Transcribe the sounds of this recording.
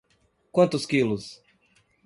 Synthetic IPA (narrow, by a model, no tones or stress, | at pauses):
kwɐ̃nt̪ʊskilʊs